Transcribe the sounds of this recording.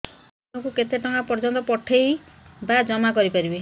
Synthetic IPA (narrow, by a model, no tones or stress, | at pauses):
nɔkuket̪eʈɔŋɡapɔɾd͡ʒɔnt̪ɔpɔʈʰejbad͡ʒɔmakɔɾipaɾibe